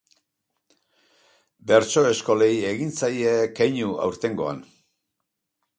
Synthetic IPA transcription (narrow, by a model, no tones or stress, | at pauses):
be̞ɾt͡so̞e̞sko̞lejeɣint͡sajekejɲua̰wɾt̪e̞ŋɡo̞a̰n